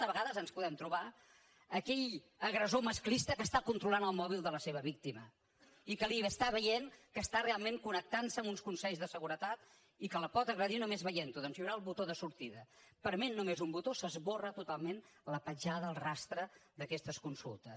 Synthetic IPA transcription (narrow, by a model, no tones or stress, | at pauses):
əβəɣaðəzənspuðɛmt̪ɾuβa | əkɛʎ | əɣɾəzoməsklist̪əkəst̪akunt̪ɾulanəlˠmɔβ̞ilˠd̪ələseβəβik̚t̪imə | ikəliəst̪aβəjeŋkəst̪arealˠmẽŋkunək̚t̪ansəmunskunsɛʎzðəsəɣuɾət̪at̪̚ | ikələpɔt̪əɣɾəðinumezβəjɛnt̪uðɔnzβiwɾalˠβut̪oðəsuɾt̪iðə | pəɾmenːumezumbut̪osəzβorət̪ut̪alˠmen | ləpəʒaðəːlˠrast̪ɾəd̪əkɛst̪əskunsṵlˠt̪ə